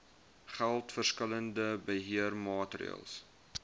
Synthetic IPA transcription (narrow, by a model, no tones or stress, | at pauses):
χælˠtfərskələndəbəɦiərmɑːtrḭə̰lˠs